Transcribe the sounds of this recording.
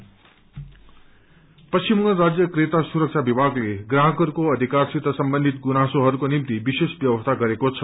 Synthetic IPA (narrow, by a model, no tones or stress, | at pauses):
pʌst͡ʃimʌɾad͡zjʌkret̪asuɾʌk̚t͡ʃʰabibʱaɡleɡɾaɦʌkʌɾukoʌd̪ʱikarsit̪ʌsʌmbʌnd̪ʱit̪̚ɡunasoɦʌɾukonimt̪ibisesbjʌbʌst̪ʰaɡʌɾekot͡sʰʌ